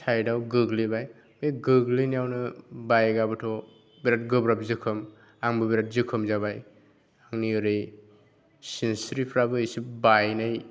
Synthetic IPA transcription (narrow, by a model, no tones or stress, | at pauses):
tʰajdawɡɯɡlibaj | meɡɯɡlɯnijawnɯbajɡabɯtʰɔ | biɾat̚ɡɯbɾap̚zɯkʰɯm | aŋbɯbiɾat̚zɯkʰɯmzabaj | aŋniɯɾɯj | sinsɾipʰɾabɯisip̚bajnaj